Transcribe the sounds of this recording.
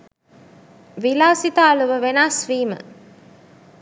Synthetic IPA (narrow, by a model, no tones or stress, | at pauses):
ʋilaːsit̪aːluʋəʋenasʋiːmə̰